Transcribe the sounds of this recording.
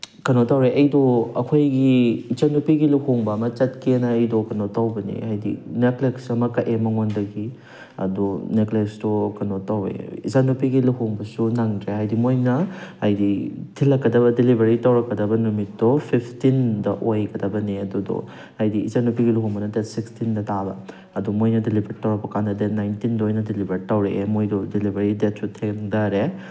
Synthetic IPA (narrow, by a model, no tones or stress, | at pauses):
kɐnotawɾeʔɐjdoɐkʰojɡiːt͡ʃanupiɡiluhoŋbɐːmɐt͡ʃɐt̚kenɐːjdokɐnotawbɐnḭhajdḭnekleksɐmɐkɐʔemɐŋondɐɡi | ɐ̰duneklekstɔkɐnotawḛḭt͡ʃanupiɡiluhoŋbɐsunaŋdɾehajdimojnɐhajditʰilːɐkːɐdɐbɐdilibʱeɾitawɾɐkːɐdɐbɐnumitːɔpʰipʰtindɐʔojɡɐdɐbɐniɐdudɔ̰ | ɐjdḭːzanupiɡiluɦuŋbɐnɐdetsikstindɐtʰabɐ | ɐdumojnɐdilibʱeɾtawɾɐpɐkandɐdenajntindɐojnɐdilibʱeɾitawɾeʔemojdɔdilibʱeɾidet̚sutʰeŋdaɾe